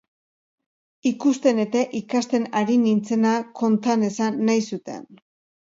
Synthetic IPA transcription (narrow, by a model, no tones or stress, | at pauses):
ikust̪e̞ne̞t̪e̞ʔikast̪e̞naɾinint͡se̞nako̞nt̪ane̞sanːajsut̪e̞̰n